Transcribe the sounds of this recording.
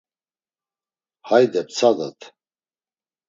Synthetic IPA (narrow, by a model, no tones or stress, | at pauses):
hajd̪ɛp̚t͡sʰad̪a̰t̪ʰ